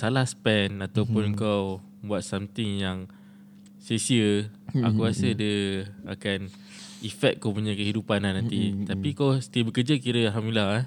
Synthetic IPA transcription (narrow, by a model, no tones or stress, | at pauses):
salahsə̥pɛnat̪awpʊnəŋkaw | buat̪̚samt̪ɪŋjaŋ | sesiəa̰kuɾasədəa̰kan | ifɛk̚t̪̚kːawpuɲakəɦidupanahnãnt̪it̪apikawsə̥t̪iəbəkəd͡ʒəkiɾəalɦamdililaha